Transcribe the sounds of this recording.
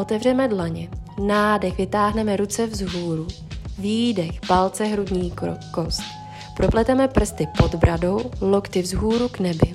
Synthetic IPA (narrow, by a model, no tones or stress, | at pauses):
ʔo̞t̪ɛvr̝ɛmɛdlaɲɛnaːdɛxvɪt̪aːɦnɛmɛɾut͡sɛvzɦuːɾu | vjiːdɛxpalt͡sɛɦɾudɲiːkost̪ | pɾoplɛt̪ɛmɛpr̩st̪ɪpo̞d̪bɾʔado̞wlo̞kt̪ɪvzɦuːɾuɡnɛbɪ